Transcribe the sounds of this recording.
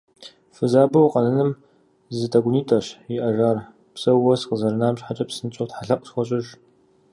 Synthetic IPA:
fɨzaːbɐwqɐnɐnɨm | zɨtʰɐɡʷʊniːtʰʼɐɕɪʔɐʒaːr | psɐwɔsqəzɐɾɨnaːmɕħat͡ʃʼɐpsɨnɨt͡ʃʼɐwtħaɬɐqʷʼxʷɔɕʼɪʒ

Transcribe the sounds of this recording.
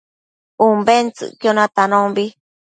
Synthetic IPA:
umbent͡sɨ̰ʔkjonãt̪anõmbi

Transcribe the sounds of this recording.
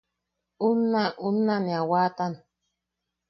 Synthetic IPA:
unːaʔunːaniawaːt̪an

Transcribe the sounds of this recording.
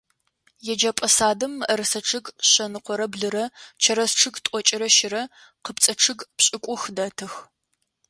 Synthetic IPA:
jɛd͡ʒɐpʼɐsaːdɨmɐɾɨsɐʈ͡ʂʰɨɡɕɐnɨqʷɔɾɐbɮɨɾɐt͡ʃʰɐɾɐsʈ͡ʂʰɨɡtʼɔt͡ʃʼɪɾɐʃɪɾɐ | qəpt͡sʼɐʈ͡ʂʰɨɡpɕʼɪkʷʼʊxdɐtʰɨx

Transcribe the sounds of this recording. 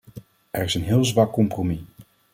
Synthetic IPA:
ʔɛɹɪsənɦɪːlˠzʋɑkːɔmpromi

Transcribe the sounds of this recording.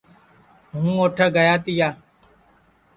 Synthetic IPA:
ɦũːoːʈʰəːɡəjaːt̪ɪjaː

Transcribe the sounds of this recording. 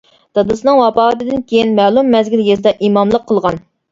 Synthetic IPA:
d̪̥ɑd̪ɨsɨnɨŋwɑpɑːt̪ɨd̪ɪnkʲʰejinmɛlˠumːɛzɡʲiljezɨd̪ɑʔimɑmlˠəqʰːəlˠʁɑn

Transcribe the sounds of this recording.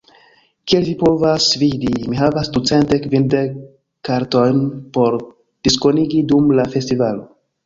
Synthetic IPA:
kiellipo̞vasvidimiɦavasdut͡se̞ntdekvindekː | aɾto̞jnpo̞ɾ | d̥isko̞niɡidumlafe̞stivalo

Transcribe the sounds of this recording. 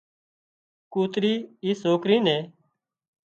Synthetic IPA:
kuːt̪ɾiːiːsoːkɾiːnẽː

